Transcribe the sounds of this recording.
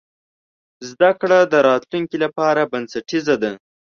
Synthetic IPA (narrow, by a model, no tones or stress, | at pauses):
zd̪akɽad̪əɾɑt̪luŋkilapɑɾabansaʈizad̪a